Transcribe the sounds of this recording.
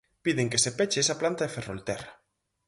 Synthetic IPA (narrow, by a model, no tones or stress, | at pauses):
piðeŋkesepet͡ʃeesaplant̪aefero̰lt̪ɛra